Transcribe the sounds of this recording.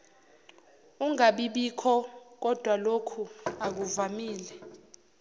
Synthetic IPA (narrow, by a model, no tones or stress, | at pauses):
uŋaɓiɓikʰɔk̬ɔd̥ʱwalokʰuak̬uvamiːlɛ